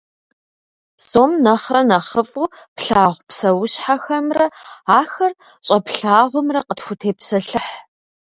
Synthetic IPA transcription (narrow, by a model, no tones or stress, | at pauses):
soːmnɐχrɐnɐχəfʼupɬaːʁʷpsɐwʊɕħaxɐmrɐaːxɐr | ɕʼɐpɬaːʁʷʊmrɐqətxʷʊtʰeːpsɐɬɨħ